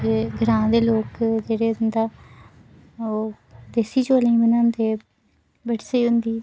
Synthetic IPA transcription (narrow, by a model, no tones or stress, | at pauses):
eɡʱəɾãːd̪eːloːkd͡ʒeːɽeːʊnd̪aː | oː | d̪eːsiːt͡ʃoːlĩːbənãːnd̪eː | bəɽsiːɦʊnd̪iː